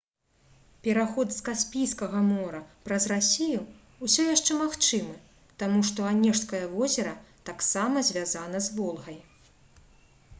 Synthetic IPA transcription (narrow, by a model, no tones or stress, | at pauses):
pʲɛɾaxɔd̪skasʲpʲijskɐɣɐmɔɾɐpɾɐzrasʲiju | usʲɔjaʂt͡ʂɛmaxt͡ʂɨmɨ | t̪amuʂt̪ɔanʲɛʂskɐjɐvɔzʲɛɾɐt̪aksamɐzʲvʲazanɐzvɔlˠɣɐj